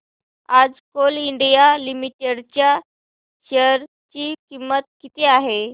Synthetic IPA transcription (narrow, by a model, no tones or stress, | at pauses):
ad͡zkoliɳɖijalimiʈeɽt͡ɕja | ɕəɾ | t͡ɕiːkimːət̪̚kit̪eaɦe